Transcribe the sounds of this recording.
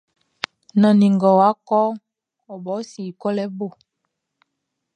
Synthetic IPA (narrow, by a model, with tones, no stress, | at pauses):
na˨ni˨ŋɡɔ˨wa˨˦kɔ˦ | ɔ˨bɔ˨˦si˨kɔ˦lɛ˦bo˦˨